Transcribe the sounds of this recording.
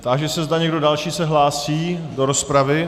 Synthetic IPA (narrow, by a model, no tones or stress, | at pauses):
t̪aʒɛsɛzdaɲɛɡdo̞dalʃiːsɛɦlaːsiːdoɾospɾavɪ